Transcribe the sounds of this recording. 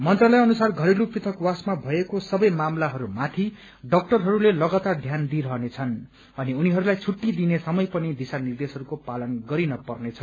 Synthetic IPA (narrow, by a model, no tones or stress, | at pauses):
mʌnt̪rʌlʌjʌnusarɡʱʌɾiluprit̪ʰʌkwasmabʱʌekosʌbʌjmamlaɦʌɾumat̪ʰi | ɖʌk̚ʈʌrɦʌɾulelʌɡʌt̪ad̪ʱjand̪iɾʌɦnet͡sʰʌn | ʌniuniɦʌɾulajt͡sʰuʈːid̪inesʌmʌjpʌnid̪isanird̪esɦʌɾukopalʌnɡʌɾinʌpʌrnet͡sʰʌ